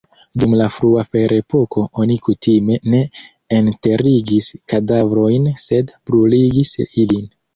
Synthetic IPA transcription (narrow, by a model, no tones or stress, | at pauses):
dumlafɾuafe̞ɾe̞pʰo̞ko̞o̞nikutʰime̞ne̞ | ente̞ɾiɡiskadavɾo̞jnse̞dpɾuliɡisilin